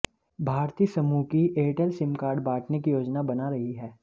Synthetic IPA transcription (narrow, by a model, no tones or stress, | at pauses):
bʱaːɾt̪iːsɐmuːkiʔeːʈəlsɪ̃mkaːɾɖbaːʈʰnekijoːd͡ʒnabɐnaɾɐɦiɦɛː